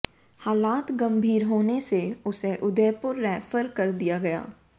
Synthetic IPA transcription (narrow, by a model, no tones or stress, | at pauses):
haːlaːt̪ɡɐ̃mbʱiːɾɦoːneseʊseʔʊd̪eːpʊɾːɛːfəɾkɐɾd̪ijaɡɐja̰ː